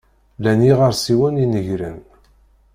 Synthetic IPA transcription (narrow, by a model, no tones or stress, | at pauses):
læniʁəɾsiwæninəʝɾə̰n